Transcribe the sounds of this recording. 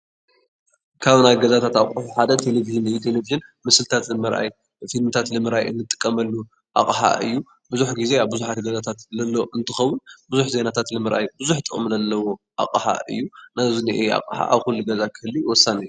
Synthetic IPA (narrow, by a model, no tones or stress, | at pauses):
kʰaβnajɡɐzat̪ʰat̪akʼuħuħad̪ɐt̪ʰe̞leviʒɨnɨjːut̪ʰe̞leviʒɨnmɨsɨlt̪ʰat̪lɨmɨɾʔa̰j | filmɨt̪ʰat̪lɨmɨɾʔajɨ̰nːɨt̪ʼɨ̥kʼːɐmɐlːu | ʔa̰kʼħa̰ʔɨ̰jːu | bɨzuħɡize̞aβbɨzuħat̪ɡɐzat̪ʰat̪lɐlːoʔɨnt̪ʰɨxɐwːʊnbɨzuħze̞nat̪ʰat̪lɨmɨɾʔa̰jbɨzuħt̪ʼɨkʼmɨnɐlːɐwo̞ | ʔa̰kʼħa̰ɨ̰jːunazuniʔea̰kʼħa̰ʔaβxulːuɡɐzakʰɨhɨlːiwɔsanɨjːu